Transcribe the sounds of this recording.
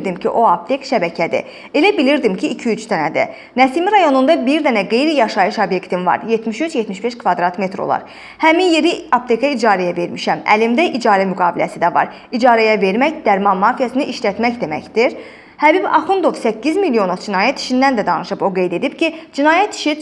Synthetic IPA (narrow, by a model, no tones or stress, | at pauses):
d̪imcʰḭʔo̞ɑp̚t̪ʰe̞kʃæbæcʰæd̪ḭ | e̞læbiliɾd̪imcʰiːcʰiyt͡ʃt̪ʰænæd̪æ̰ | næsimiɾɑjo̞nund̪ɑbiɾd̪ænæɡe̞jɾijɑʃɑjɯʃobje̞kt̪ʰinvɑ̰ɾje̞t̪miʃyt͡ʃjet̪miʃbe̞ʃkʰvɑd̪ɾɑt̪me̞t̪ɾo̞̰lˠɑ̰ɾ | hæminje̞ɾiap̚t̪ʰe̞kʰɑid͡ʒɑːɾɛjæve̞ɾmiʃæmæ̰limd̪æʔid͡ʒɑːɾæmyɡɑːbilæsid̪ævɑ̰ɾ | id͡ʒɑːɾæjæve̞ɾmæçd̪æɾmɑnmɑːfijæsiniʔiʃlæt̪mæçd̪e̞mæ̰çd̪iɾ | hæbibɑχund̪o̞vsæcːizmilːio̞nod͡ʒinɑːjæt̪i̥ʃind̪ænd̪æd̪ɑnɯʃɯbo̞ɡe̞jd̪e̞d̪ipcʰid͡ʒinɑːjæt̪i̥ʃi